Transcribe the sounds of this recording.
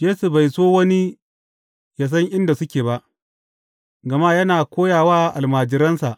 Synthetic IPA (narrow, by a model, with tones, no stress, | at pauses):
jeː˦su˨ba˨jsoː˦wɐ˦ni˦ | jaː˦s̬ɐ˦ŋʔɪ˦nda˨sʊ˦kʲeː˨ba˦ʔ | ɡɐ˨ma˦jɐ˦naː˨kʷoː˦jaː˨waː˦ʔa˨lmaː˨d͡ʒɪ˨ɾɐ˦nsa˨ʔ